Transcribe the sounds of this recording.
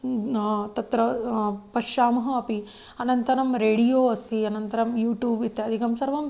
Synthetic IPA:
t̪ɐt̪ɾɐpɐʃaːmɐɦɐɐpi | ɐnɐnt̪ɐɾɐmɾeːɽijoːɐst̪iɐnɐnt̪ɐɾɐmjuːʈjuːbit̪ːjaɐd̪ʱikɐmsɐɾʋɐm

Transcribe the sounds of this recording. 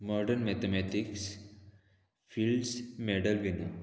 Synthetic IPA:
mɔɾɖəɾnmɛt̪emɛt̪iks | filɖsmeɽəlʋini

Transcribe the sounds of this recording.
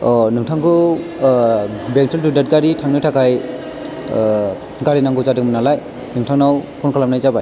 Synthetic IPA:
ɔnɯŋtʰaŋkɯ | bɛŋtʰɯltudat̚ɡaɾitʰaŋnɯtʰakʰaj | ɡaɾinaŋɡɯzadɯkmɯnalaj | nɯŋtʰaŋnawpʰɔnkʰalamnajzabaj

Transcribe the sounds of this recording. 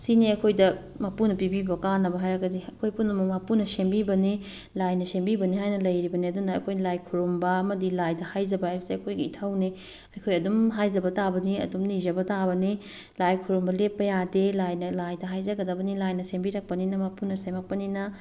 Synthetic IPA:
siniɐjkʰojdɐ | mapunɐpibibɐkanːɐbɐɦajɾɐɡɐdiɐkʰojpunɐmɐmapunɐsembibɐni | lajnɐsembibɐnihajnɐlɐjɾibɐniɐdunɐɐkʰojnlajkʰuɾumbɐɐmɐdilajdɐhajzɐbɐajbɐseɐkʰojɡɐitʰawni | ɐjkʰojɐdumɦajzɐbɐtabɐniɐ̰dumnizɐbɐtabɐni | lajkʰuɾumbɐlepːɐjadelajnɐlajdɐɦajzɐɡɐdɐbɐnilajnɐsembiɾɐk̚pɐninɐmapunɐsemɐk̚pɐninɐ

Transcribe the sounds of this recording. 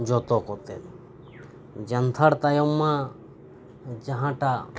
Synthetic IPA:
d͡ʒot̪okot̪ḛ | d͡ʒɐnt̪ʰɐɽt̪ajomːã | d͡ʒɐɦãʈa

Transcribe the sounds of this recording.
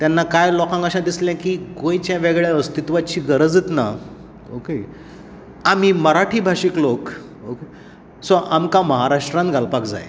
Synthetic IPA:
t̪janːakajlɔkãŋkəɕãd̪islɛ̃kiːɡõjt͡ɕjãʋɛɡɭjaəst̪it̪ʋat͡ɕiːɡəɾəd͡zit̪na | o̰ke | am̤iməɾaʈʰiːbʱaʂiːklok | oke | sɔʔamkaməɦaɾaʂʈɾãnt̪ɡʱalpakd͡za̰j

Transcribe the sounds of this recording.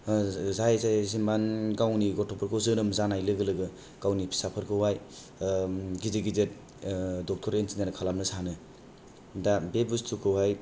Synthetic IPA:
zajzajsimanɡawniɡɔtʰɔpʰɯɾkʰɯwzɯnɯmzanajlɯɡɯlɯɡɯ | kawnipʰi̥sapʰɯɾkʰɯwaj | ɡizeɡizet̚ | dɔk̚tʰɔɾenzinanɯkʰalamnɯsanɯ | dabebustʰukʰɯwhaj

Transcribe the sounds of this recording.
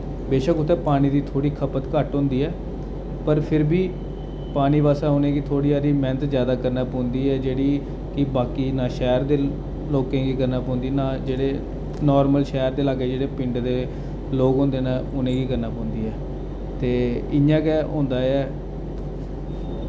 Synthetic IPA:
beːʃəkʊt̪ːɛ̃ːpaːñiːd̪iːt̪ʰoːɽiːkʰəpət̪kəʈɦõːnd̪iːɛː | pəɾpʰɪɾbiː | paːñiːpaːsãːʊnẽːɡit̪ʰoːɽiːaːɾiːmɛ̃ːnət̪zjaːd̪aːkəɾnaːpõːnd̪iːɛːd͡ʒeːɽiː | kɪbaːkiːnãːʃɛːɾd̪eː | loːkẽːɡiːkəɾnaːpõːnd̪iːnãːd͡ʒeːɽeː | nɔːɾməlʃɛːɾd̪eːlaːɡeːd͡ʒeːɽeːpɪ̃ɳɖd̪eː | loːɡɦʊ̃ːnd̪eːnaʊnẽːɡiːkəɾnaːpõːnd̪iːɛː | t̪eːɪãːkɛːɦõːnd̪aːɛː

